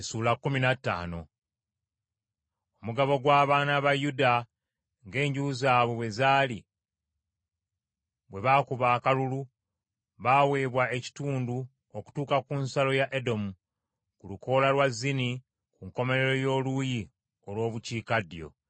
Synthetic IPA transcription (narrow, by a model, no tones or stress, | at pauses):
suːlakːuminatːa̰ːno̞̰ | omuɡaβo̞ɡwaːβaːnaβajuda | ŋɡe̞ːɲɟuːzaːβowe̞zaːli | βwe̞βaːkuβaːkalulu | βaːwe̞ːβwae̞ci̥tuːndu | oku̥tuːkakunsalo̞jaʔedo̞mu | kulukʰo̞ːlalwazːini | kuŋko̞me̞ɾe̞ɾo̞jo̞ːluji | o̞lwo̞ːβuciːkadjo̞̰